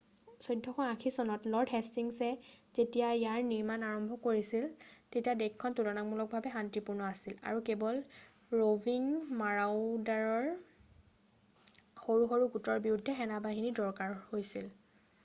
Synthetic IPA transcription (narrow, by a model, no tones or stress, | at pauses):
sɔjdʱːɔxʰɔŋakʰisɔnɔtlɔɹdɦɛstiŋsɛzetijaijaɹniɹmanaɹɔmbʱɔkoɹisiltetiadekʰːɔntulɔnaŋmulɔk̚bʱabɛɦantipuɹnɔasila̰ɹukebɔl | ɹoviŋmaɹawdaɹɔɹ | xoɹuxoɹuɡutɔɹbiɹudʱːɛxɛnabaɦinidɔɹkaɹhojsil